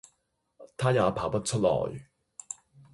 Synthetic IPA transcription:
t̪ʰaː˥jaː˨˧pʰaː˨˩pɐ˥t̚t͡ʃʰɵ˥t̚lɔ̰ː˨˩j

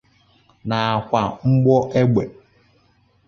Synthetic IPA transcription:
na˨a˨kʷa˨ŋ͡m̩˦ɡ͡bɔ˦ʔe˦ɡ͡be˨

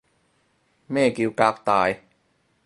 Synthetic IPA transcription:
meː˥˩ki˧wkaː˧˥k̚t̪aː˨˧j

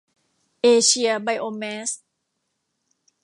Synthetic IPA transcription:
ʔeː˧ɕʰi˧ɐba˧˩jʔoː˧mɛː˦˥s

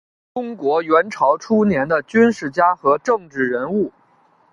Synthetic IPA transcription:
ʈ͡ʂʊ˥ŋkwɔ˧˥ɥɛ˧˥nʈ͡ʂʰɑ˧˥ʊʈ͡ʂʰu˥njɛ˧˥nd̪ə˧t͡ɕy˥nʂɻ̩˥˩t͡ɕja˥xɤ˧˥ʈ͡ʂɤ˥˧ŋʈ͡ʂɻ̩˥˩ɻə˧˥nu˥˩

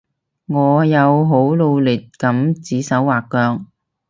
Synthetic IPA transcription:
ŋɔː˨˧jɐ˨˧wɦo˨˥wlo˧wlɪ˨t̚kɐ˨˥mt͡siː˨˥sɐ˨˥wːaː˨kːœː˧ŋ

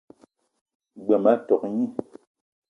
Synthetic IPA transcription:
ɡ͡bɛ˨ma˦tɔ˨k̚ɲi˦˨

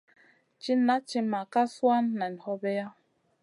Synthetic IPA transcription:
t͡ʃi˦na˦t͡ʃi˧ma˨ka˦swa˦nːa˨n˨hɔ˦bɛ˦ja˦

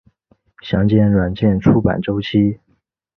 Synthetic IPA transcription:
ɕjɑ˧˥ŋt͡ɕjɛ˥˩nɻwa˨˩nt͡ɕjɛ˥˩nʈ͡ʂʰu˥pa̰˨˩nʈ͡ʂo˥ʊt͡ɕʰi˥

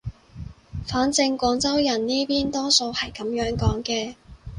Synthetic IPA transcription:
faː˨˥nt͡sɪ˧ŋkʷɔː˨˧ŋt͡sɐ˥wjɐ˨˩nniː˥piː˥nt̪ɔː˥so˧whɐ˨˩jkɐ˨˥mjœː˨˥ŋkɔː˨˥ŋkɛː˧

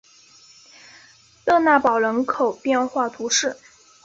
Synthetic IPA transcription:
lɤ˥˧na˥˩pɑ˨˩ʊlə˧˥nkʰo˨˩ʊpjɛ˥˧nxwa˥˩t̪ʰu˧˥ʂɻ̩˥˩

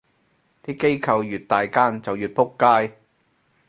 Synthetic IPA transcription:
t̪iː˥ke˥jkʰɐ˧wjyː˨t̚t̪aː˨jkaː˥nt͡sɐ˨wjyː˨t̚pʰʊ˥kːaː˥j

